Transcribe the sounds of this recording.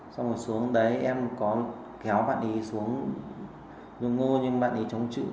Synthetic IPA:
sa˧wŋ͡mmo˨˩t̚su˨˦əŋɗə˨˦jʔɛ˧mkɔ˨˦ | kɛ˨˦wɓa̰ː˧˨nʔi˨˦su˨˦əŋ | zɨ̰˧ŋo˧ɲɨ˧ŋɓa̰ː˧˨ʔi˨˦t͡ɕə˨˦wŋ͡mt͡ɕɨ̰˧˨

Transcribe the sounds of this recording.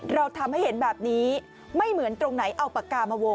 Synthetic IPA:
ɾa˧wt̪ʰa˧mha˥˩jhe˩˦nbɛː˨˩p̚niː˦˥ | ma˥˩jmɯ˩˦ənt̪ɾo˧ŋna˩˦jʔa˧wpa˨˧˩kaː˧maː˧wo˧

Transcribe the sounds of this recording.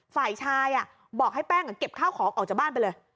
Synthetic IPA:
faː˨˩jt͡ɕʰaː˧jʔa˨˩ | bɔː˨˩k̚ha˥˩jpɛː˥˩ŋa˨˩ke˨˩p̚kʰaː˥˩wkʰɔː˩˦ŋʔɔː˨˩k̚t͡ɕa˨˩baː˥˩np̬jlɤː˧j

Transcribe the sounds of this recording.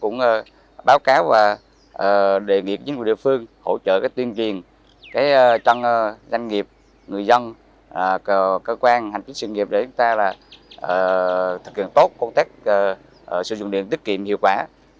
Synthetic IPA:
kʊ̰˧˥ŋ͡mə˧˩ | ɓaː˨˦wkaː˨˦wvaː˨˩ | ʔəː˨˩ɗe˨ŋḭ˨˧˨ŋ˨˧˩ɗḭ˧˨fɨ˧əŋho̰˧˩t͡ɕə̰ː˧˨kaː˨˦jt̪wi˧ənt͡ɕwi˨˩ən | kaː˨˦jt͡ɕɔ˧nː˧za˧jŋ̟ŋi˨˩əp̚ | ŋɨ˨˩əjzə˧nː˨˩˧ | kəː˧kwaː˧nha˨˩ŋ̟t͡ɕi˦˥swi˧ŋi˨˩p̚ɗe˧˩t͡ɕʊ˨˦ŋ͡mt̪aː˧laː˨˩ʔəː˨˩t̪ʰɨ˨˩k̚hḭ˧˨ənt̪o˦˥t̚kːɔ˧ŋ͡mt̪aː˦˥k̚ː | sɨ̰˧˥zʊ̰˧˨ŋ͡mɗḭ˧˨nt̪i˦˥k̚kḭ˧˨əmhḭ˧˨wkwaː˧˩

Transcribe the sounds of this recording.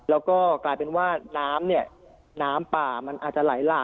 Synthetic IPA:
lɛː˦˥wkɔː˥˩klaː˧jpe˧nwaː˥˩naː˦˥mni˥˩ɐ | naː˦˥mpaː˨˩ma˧nʔa̰ː˨˩t̪̚t͡ɕa˨˩la̰˩˦jlaː˧˩

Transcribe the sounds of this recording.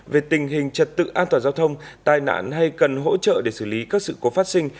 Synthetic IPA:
ve˨˩t̪ï˨˩ŋ̟ɦï˨˩ŋ̟t͡ɕə˨˩t̚t̪ɨ̰˧˨ʔaː˧nt̪waː˨˩zaː˧wt̪ʰə˧wŋ͡mt̪aː˨˩jna̰ː˧˥nɦa˧jkə˨˩nɦo̰˧˥t͡ɕə̰ː˧˨ɗe˧˩sɨ˧˩li˨˦kaː˦˥k̚sɨ̰˧˨ko˨˦fa˦˥t̚sï˧ŋ̟

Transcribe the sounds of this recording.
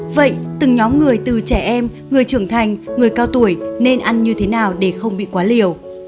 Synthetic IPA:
və̰˧˨jt̪ɨ˨˩ŋɲɔ˨˦mŋɨ˨˩əjt̪ɨ˨˩t͡ɕɛ˧˩ʔɛ˧m | ŋɨ˨˩əjt͡ɕɨ˧˩əŋt̪ʰa˨˩jŋ̟ŋɨ˨˩əjkaː˧wt̪u˧˩əjne˧nʔa˧nɲɨ˧t̪ʰe˨˦naː˨˩wɗe˧˩xə˧wŋ͡mɓḭ˧˨kwaː˨˦li˨˩əw

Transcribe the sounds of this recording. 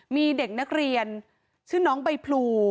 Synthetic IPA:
miː˧de˨˩k̚na˦˥k̚ɾi˧ən | sʰɯː˥˩nɔː˦˥ŋba˧jpʰluː˧

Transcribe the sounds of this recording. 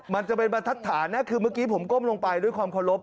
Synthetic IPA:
ma˧nt͡ɕa˨˩pe˧npa˧t̪ʰa˦˥t̪ʰːaː˩˦nːɛ˦˥kʰɯː˧mɯ˥˩əkiː˦˥pʰo˩˦mko˥˩mloː˧ŋpa˧jdu˥˩əjkʰwaː˧mkʰa˧˩ɾo˦˥p̚

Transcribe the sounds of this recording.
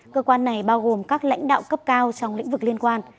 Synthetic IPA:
kəː˧kwaː˧nːa˨˩jɓaː˧wɣo˨˩mkaː˦˥k̚la̰˧˥jŋ̟ɗa̰ː˧˨wkə˦˥p̚kaː˧wt͡ɕɔ˧wŋ͡mlḭ̈˧˥ŋ̟vɨ˨˩k̚li˧ənkwaː˧n

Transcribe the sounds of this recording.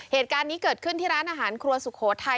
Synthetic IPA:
heː˨˩t̪̚kaː˧nːiː˦˥kɤː˨˩t̪̚kʰɯ˥˩nt̪ʰiː˥˩ɾaː˦˥nʔaː˧˩ɦaː˩˦nkʰɾu˧ɐsu˨˩kʰoː˩˦t̪ʰa˧

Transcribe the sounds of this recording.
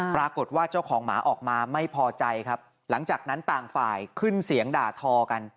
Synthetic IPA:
pɾaː˧ko˨˩t̪̚waː˥˩t͡ɕa˥˩wkʰɔː˩˦ŋma̰ː˩˦˥ʔɔː˨˩k̚maː˧ma˥˩jpʰɔː˧t͡ɕa˧jkʰa˦˥p̚ | la˩˦ŋt͡ɕaː˨˩k̚na˦˥nt̪aː˨˩ŋfaː˨˩jkʰɯ˥˩nsi˨˩˦əŋdaː˨˩t̪ʰɔː˧ka˧n

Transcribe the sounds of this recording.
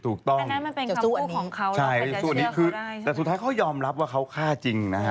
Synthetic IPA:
t̪ʰuː˨˩k̚t̪ɔ˥˩ŋ˥m˥e˧˩nɔː˦ŋkʰt͡ɕʰa˥˩jsuː˥˩niː˦˥kʰɯː˧t̪ɛː˨˩su˨˩t̪ʰːaː˦˥kʰa˦˥wjɔː˧mɾa˦˥p̚waː˥˩kʰa˦˥wkʰaː˥˩t͡ɕi˧ŋna˦˥a˦˥

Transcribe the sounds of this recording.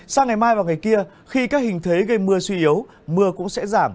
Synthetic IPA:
saː˧ŋa˨˩jmaː˧jvaː˨˩wŋa˨˩jki˧ə | xi˧kaː˦˥k̚hï˨˩ŋ̟t̪ʰe˨˦jɣə˧jmɨ˧əswi˧ʔi˨˦ə˦w | mɨ˧əkʊ̰˧˥ŋ͡msɛ̰˧˥zaː˧˩m

